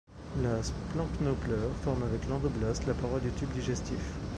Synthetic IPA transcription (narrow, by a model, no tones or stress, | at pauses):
lasplɑ̃knoplœʁfɔʁmavɛklɑ̃d̪ublɔslapaʁɔld̪yt̪ybd̪iʒɛst̪if